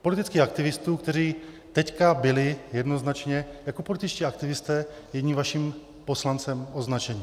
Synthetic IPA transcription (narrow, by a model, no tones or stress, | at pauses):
polɪt̪ɪt͡skiːxak̚t̪ɪvɪst̪uːkt̪ɛɾ̝iː | t̪ɛckabɪlɪjɛdno̞znat͡ʃɲɛjakopo̞lɪt̪ɪt͡ʃciːakt̪ɪvɪst̪ɛː | jɛɟɲiːmvaʃiːm | po̞slant͡sɛmʔo̞znat͡ʃɛɲiː